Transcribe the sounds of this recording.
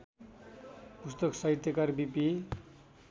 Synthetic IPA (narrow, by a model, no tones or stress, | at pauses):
pust̪oksʌɦit̪ʰjʌkarbipi